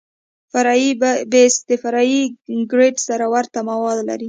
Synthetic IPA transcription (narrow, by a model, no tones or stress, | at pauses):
faɾɑibesd̪əfaɾɑjiɡɾeʈsaɾawaɾt̪amawɑd̪la̰ɾi